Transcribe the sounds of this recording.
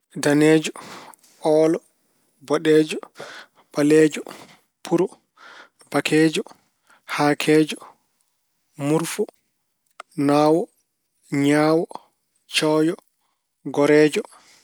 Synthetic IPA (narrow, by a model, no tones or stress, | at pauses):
danɛːd͡ʒɔ | ʔɔːlɔ | bɔɗɛːd͡ʒɔ | ɓalɛːd͡ʒɔ | pʰuɾɔ | b̥akʰɛːd͡ʒɔ | hakʰɛːd͡ʒɔ | muɾfɔ | naːwɔ | ɲaːwɔ | t͡ʃɔːjɔ | ɡɔɾɛːd͡ʒɔ